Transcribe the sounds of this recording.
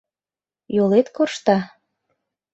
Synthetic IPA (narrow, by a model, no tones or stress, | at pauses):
jolet̪korʃt̪ɑ